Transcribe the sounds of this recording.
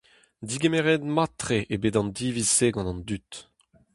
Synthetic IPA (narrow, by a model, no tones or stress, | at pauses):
d̪iɡemeʁed̪mat̪χeʔebedɑ̃nd̪iviseɡɑ̃nɑ̃nd̪yt̪